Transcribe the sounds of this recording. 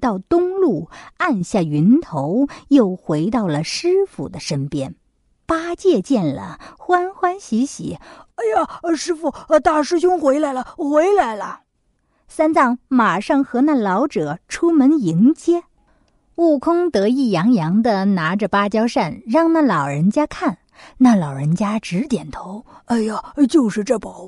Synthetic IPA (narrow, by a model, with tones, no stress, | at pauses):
t̪ɑ˥˩ʊt̪ʊ˥ŋlu˥˩a˥˧nɕja˥˩y˧˥nt̪ʰo˧˥ʊjo˥˩ʊxwe˧˥ɪt̪ɑ˥˩ʊlə˩ʂɻ̩˥fṵ˨˩d̪ə˦ʂə˥npjɛ˥n | pa˥t͡ɕjɛ˥˧t͡ɕjɛ˥˩nlə̰˩xwa˥nxwa˥nɕi˧˥ɕḭ˨˩˥a˧ɪa˨˩˧ʂɻ̩˥fu˨˩˧t̪a˥˩ʂɻ̩˥˧ɕʊ˥ŋxwe˧˥ɪla˧˥ɪlə˧xwe˧˥ɪla˧˥ɪlə˧ | sa˥nt͡sɑ˥˩ŋma˨˩ʂɑ˥˩ŋxɤ˧˥na˥˩lɑ˧˥ʊʈ͡ʂɤ˨˩˦ʈ͡ʂʰu˥mə˧˥ni˧˥ŋt͡ɕjɛ˥ | u˥˩kʰʊ˥ŋt̪ɤ˧˥i˥˩jɑ˧˥ŋjɑ˧˥ŋd̪ə˧na˧˥ʈ͡ʂə˧pa˥t͡ɕjɑ˥ʊʂa˥˩nɻɑ˥˧ŋna˥˩lɑ˨˩ʊɻə˧˥nt͡ɕja˥kʰa˥˩n | na˥˩lɑ˨˩ʊɻə˧˥nt͡ɕja˥ʈ͡ʂɻ̩˧˥t̪jɛ˨˩nt̪ʰo˧˥ʊa˧˥ɪa˨˧t͡ɕjo˥˧ʊʂɻ̩˥˧ʈ͡ʂɤ˥˩pɑ˧˩˦ʊ